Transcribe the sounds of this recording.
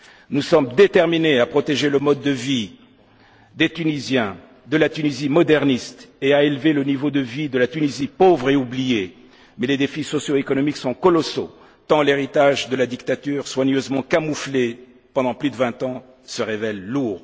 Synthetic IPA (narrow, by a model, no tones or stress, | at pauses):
nusɔmd̪et̪ɛʁmineapχɔt̪eʒeləmɔd̪ːəvi | d̪et̪ynizjɛ̃ | d̪əlat̪ynizimɔd̪ɛʁnist̪eaelvelənivod̪əvid̪əlat̪ynizipovʁeublije | mɛled̪efisɔsjoekɔnɔmiksɔ̃kɔlɔso̰ | t̪ɑ̃leʁit̪aʒd̪əlad̪ikt̪at̪yʁswaɲøzmɑ̃kamufle | pɑ̃d̪ɑ̃plyd̪əvɛ̃t̪ɑ̃ | səʁevɛlːuːʁ